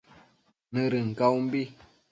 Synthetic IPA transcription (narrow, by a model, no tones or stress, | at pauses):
nəɾɨŋ̩kawm̩bi